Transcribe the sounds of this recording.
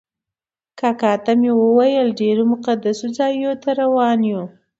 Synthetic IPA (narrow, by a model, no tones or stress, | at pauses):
kakɑt̪amewəwajəlɖeɾomʊqad̪asud͡zɑjot̪aɾawɑnju